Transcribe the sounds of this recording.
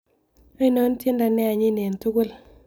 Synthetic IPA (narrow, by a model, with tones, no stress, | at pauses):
a˦i˦no˨˦n˦tje˦nda˨nɛ˦a˨ɲɪ˦ne˨n˨tu˦ku˦l